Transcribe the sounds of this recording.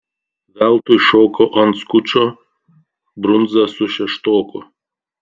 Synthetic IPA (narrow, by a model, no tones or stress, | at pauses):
ʋʲælˠt̪ʊjʃoːkɔʔɐnt̪skʊt͡ʃʲoː | bɾʊnd̪zɐsʊʃʲɛʃt̪oːkʊ